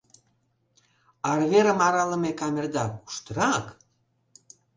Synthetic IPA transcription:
ɑrβeɾə̆mɑɾɑlə̆mekɑmʲerd̪ɑku̥ʃt̪əɾɑk

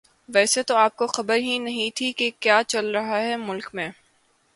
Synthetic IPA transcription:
ʋɛːset̪oaːp̚koxɐbəɾɦinɐɦĩt̪ʰikekjaːt͡ʃɐlɾɐɦaɦɛmʊlkmẽː

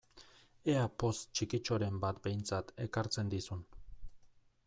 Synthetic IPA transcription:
eapo̞st͡ʃikit͡ʃoɾe̞mbat̪be̞jnt͡sat̪e̞kaɾt͡se̞nd̪isun

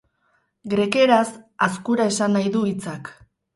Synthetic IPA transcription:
ɡɾe̞ke̞ɾasaskuɾae̞sanːajðuit͡sak

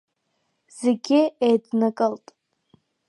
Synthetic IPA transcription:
z̥eɡʲɪejdnakʼəltʼ

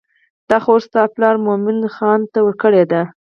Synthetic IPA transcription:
d̪̥ɑxoɾst̪ɑplɑɾmomɪnxɑnt̪awəɾkəɽed̪a

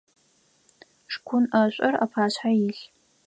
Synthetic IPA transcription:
ʂkʷʰʊnaɕʷʼɐra̰pʰaːɕʷħajiɬ

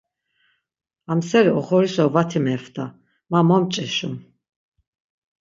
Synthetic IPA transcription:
amsɛɾiɔχɔɾisɔvat̪ʰimɛfd̪ʰʼa | mamɔmt͡ʃʼɛʃum

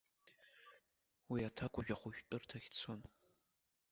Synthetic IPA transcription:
wiatʰakʷʊʒᶣɐχʷʊʒᶣtʼɨrtʰɐxʲt͡sʰon

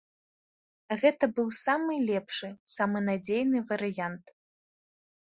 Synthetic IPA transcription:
ɣɛt̪ɐbɨwsamɨlʲɛpʂɨsamɨnad͡zʲejnɨvɐɾɨjant̪

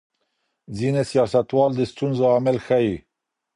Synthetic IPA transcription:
zinesijɑːsat̪uɑld̪ɨst̪unzoamɛlxɛji

